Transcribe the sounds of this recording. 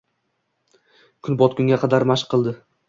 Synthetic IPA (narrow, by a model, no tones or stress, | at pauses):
kʰʊnbɒt̪̚kʰʲʊŋɡʲaqʰɑd̪aɾmaʃqʰːɨlˠd̪ɪ